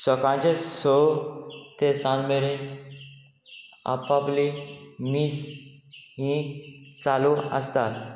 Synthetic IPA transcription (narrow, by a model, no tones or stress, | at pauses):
sɔkãt͡ɕeso | t̪esãnmeɾe | a̰paplimiːs | ɦĩt͡saluə̰st̪at̪